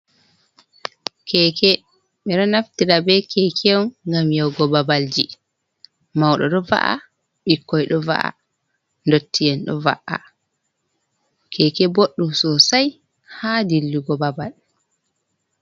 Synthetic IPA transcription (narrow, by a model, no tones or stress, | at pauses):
kʰɛkɛ | ɓɛɗɔnaftiɾabɛkʰɛkʰɛwŋɡamjawɡɔbabald͡ʒi | mawɗɔɗɔva̰ʔa̰ | ɓikːɔjɗɔva̰ʔa̰ | ndotːijɛnɗɔ̰va̰ʔa̰ | kʰɛkɛboɗːumsɔsaj | hadilːuɡɔbabal